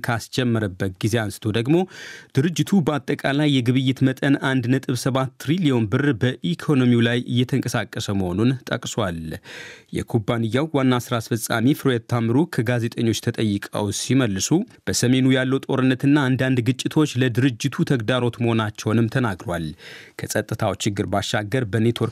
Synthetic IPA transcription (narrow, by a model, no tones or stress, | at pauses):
kʰast͡ʃʼɛmːəɾəbːət̪̚ɡize̞ansɨ̥t̪ʰo̞d̪əɡmo̞d̪̥ɨɾɨd͡ʒːɪt̪ʰubəat̪ʼːəkʼalajːɛɡɨβɨjːɪt̪mət̪ʼənand̪nət̪ʼɨβsəβat̪ːɾilio̞nbɨrbəʔikʰo̞no̞miulajʔɨ̰jːɛt̪ʰəŋkʼəsakʼːəsəməho̞nunt̪ʼə̰kʼswal | jɛ̰kʰubːanɨjːawwanːasɨɾasfəsʼa̰mifɨɾojɛt̪ʰːamɨɾukʰəɡaze̞t̪ʼəɲːo̞t͡ʃːt̪ʰət̪ʼəjːɨkʼə̰wsiməlːɨsub̥əsəme̞nujalːəwt̪ʼo̞ɾɨnːət̪ɨnːaːnd̪and̪ɡɨt͡ʃʼːɪt̪ʰo̞t͡ʃːləd̪ɨɾɨd͡ʒːɪt̪ʰut̪ʰəɡd̪aɾo̞t̪məho̞nat͡ʃːɛwnɨmt̪ʰənaɡɾwalkʰəsʼət̪ʼːɨt̪ʰawt͡ʃːɪɡːɨɾbaʃːaɡːəɾbəne̞t̪ʰwo̞ɾ